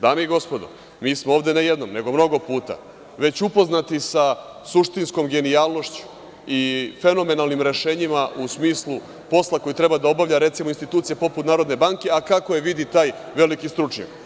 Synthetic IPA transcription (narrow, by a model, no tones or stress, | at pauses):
d̪aːmeiɡo̞spod̪o̰ | miːsmooːvd̪e̞nejed̪nomne̞ɡo̞mno̞ɡo̞puːt̪a̰ | ʋe̞t͡ɕupo̞znat̪isa | suʃt̪insko̞mɡe̞niaːlˠno̞ʃt͡ɕu̥ | ife̞no̞me̞nalˠnimɾe̞ʃe̞ːɲimaʔusmiːslˠu | po̞slˠako̞jit̪ɾe̞bad̪ao̞baʋʎaɾe̞t̪simoinst̪it̪ut̪sijepo̞put̪naːɾo̞d̪ne̞baŋke̞akako̞jeʋid̪it̪aːj | ʋe̞likist̪ɾut͡ʂɲa̰k